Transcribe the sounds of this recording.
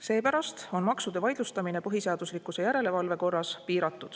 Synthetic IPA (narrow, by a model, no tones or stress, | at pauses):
se̞ːpæɾɑst̪o̞nmɑksud̪̥e̞vɑjd̪lust̪ɑmine̞pɤɦise̞ɑd̪̥uslikːˑuse̞jæɾe̞le̞vɑlve̞ko̞rːɑspiːɾɑt̪ːˑud̪̥